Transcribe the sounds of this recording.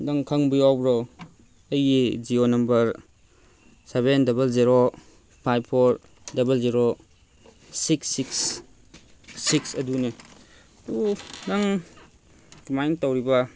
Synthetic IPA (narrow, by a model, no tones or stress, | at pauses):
dɐŋkʰɐŋbijawbɾo | ɐjid͡ʒionɐmbɐɾ | sebendɐbelziɾo | pʰajbʰoɾ | dɐbelziɾo | siksːiks | iksɐdune | dudɐŋ | dimajntawɾibɐ